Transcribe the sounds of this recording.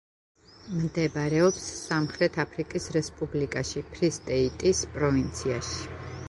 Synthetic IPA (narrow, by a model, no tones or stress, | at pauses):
md̪ɛbɾɛɔpsːamχɾɛt̪ʰapʰɾikʼisɾɛspʼublikʼaʃipʰɾist̪ʼɛit̪ʼispʼɾɔvint̪sʰiaʃi̥